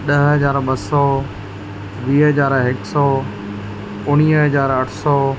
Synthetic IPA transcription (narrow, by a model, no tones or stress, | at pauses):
ɗɐɦɦəzaːɾɓəsɔː | ʋiːɦəzaːɾɦɪksɔː | ʊɽ̃iːɦəzaːɾɐʈʰsɔː